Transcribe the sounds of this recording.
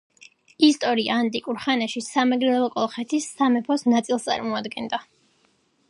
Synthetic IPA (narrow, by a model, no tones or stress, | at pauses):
ist̪ʼɔɾia̰ːnt̪ʼikʼuɾχanaʃisamɛɡɾɛɛlˠɔkʼɔlˠχɛt̪ʰisːamɛpʰɔsnat̪sʼilˠst̪ʼa̰ɾmɔad̪ɡɛnd̪a